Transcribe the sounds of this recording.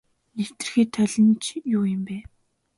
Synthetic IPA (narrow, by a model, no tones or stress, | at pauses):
nekt̪ɘ̆rxeːt̪ʰœɮə̆nt͡ɕʰjʊːjɪ̆mpæː